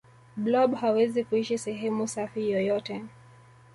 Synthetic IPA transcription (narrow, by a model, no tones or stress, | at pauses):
blɔbhawɛzikuiʃisɛɦɛmusafijɔjɔtɛ